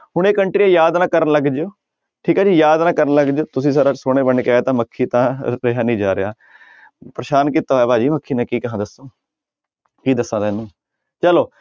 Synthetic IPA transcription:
ɦʊɳ̃eːkəɳʈɾijãːjaːd̪nãːkəɾənləɡd͡ʒoː | ʈʰiːkaːd͡ʒiːjaːd̪nãːkəɾənləɡd͡ʒoːt̪ʊsĩːsaɾaːsoːɽ̃eːbəɳkeaːt̪ãːməkʰːiːt̪ãːɾeɦaːnĩːd͡ʒaːɾeaː | pɾəʃaːnkiːt̪aːɛːpaːd͡ʒiːməkʰːiːnãːkiːkəɦãːd̪əsːoː | kiːd̪əsːãːd̪eːnũː | t͡ʃəloː

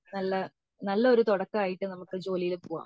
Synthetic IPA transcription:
nɐlːɐ | nɐlːɐo̞ɾut̪oɽɐkːɨaːjiʈːɨnɐmukːɨd͡ʑo̞ːlijilpoːʋa̰ː

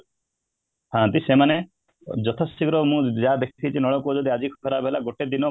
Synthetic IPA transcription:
ɦãt̪isemane | d͡ʒɔt̪ʰɔsikɾɔmũːd͡ʒad̪ekʰit̪ʰit͡ʃʰinɔɭɔkud͡ʒɔd̪iad͡ʒikʰkʰɔɾabʱɦelaɡoʈed̪inɔ

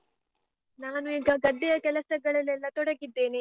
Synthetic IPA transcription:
naːnuiːɡɐɡɐɖːijɐkɛlɐsɐɡɐɭɐlːɛlːɐt̪ɔɽɐɡid̪ːe̞ːni

